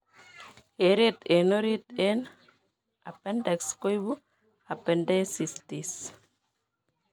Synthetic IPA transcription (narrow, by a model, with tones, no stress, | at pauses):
heɾet̪e˨no˦ɾi˦t̪en | a˨penda˨ksko˦jbu˦ | a˨pe˨nda˦sistis